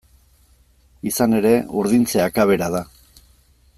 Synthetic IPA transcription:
isane̞ɾe̞uɾðint͡seakaβ̞e̞ɾaða

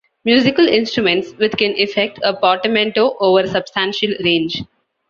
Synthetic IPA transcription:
mjuːzɪkəlɪ̃nsʈɾumẽɳʈsʋɪt̪kɛ̃nʔɪfek̚ʈʰəpɔːɾʈəmẽɳʈoːʔoːʋəɾsɐb̥sʈæ̃nʃəlɾẽːnd͡ʒ

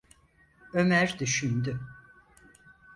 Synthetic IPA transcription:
ø̞mæɾd̪yʃynd̪y

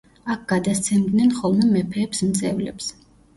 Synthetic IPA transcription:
ak̚ʰɡ̥ad̪ast̪sʰɛmd̪nɛnχɔlˠmɛmɛpʰɛːpsmt̪sʼɛvlɛ̰ps

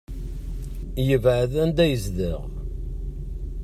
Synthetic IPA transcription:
jəvʕəðænd̪æjəzðəʁ

